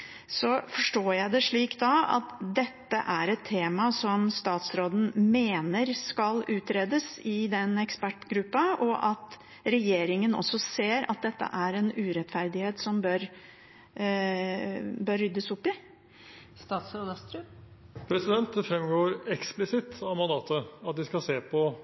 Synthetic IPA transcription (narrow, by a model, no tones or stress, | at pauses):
sɔfɔʂʈoːjæɪd̪ɛʂɭiːkt̪d̪ɑɑ̰t̪d̪ɛt̪ːəʔæɾɛt̪ʰːeːmɑsɔmst̪ɑːt̪sɾoːd̪ən̩meːnəɾskɑlʉːt̪ɾeːd̪əsɪd̪ɛnɛkspæʈːɡɾʉpːɑɔʔɑt̪ | ɾɛjeːɾɪŋənɔ̰sːɔseːɾɑ̰t̪̚d̪ɛt̪ːə̰ʔæɾɛnʉːɾɛt̪fæɾd̪ɪheːt̪sɔmbøɾ | bœɾːʏd̪ːəsʊpːɪ | st̪ɑːt̪sɾoːd̪əst̪ɾʉ | pʰɾɛsɪd̪ɛnt̪əfɾɛmɡoːɾɛksplɪsɪt̪ɑʋmɑnd̪ɑːt̪əɑt̪ʋ̪ɪskɑseːpʰɔ